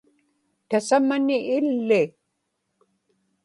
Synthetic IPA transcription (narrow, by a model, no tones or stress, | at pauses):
t̪asamanɪʔːlːɪ